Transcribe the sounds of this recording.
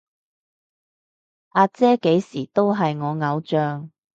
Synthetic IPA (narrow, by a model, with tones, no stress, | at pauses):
ʔaː˧t͡sɛː˥ke˨˥jsiː˨˩t̪o˥wɦɐ˨jŋɔː˨˧ŋɐ˨˧wt͡ʃœː˨ŋ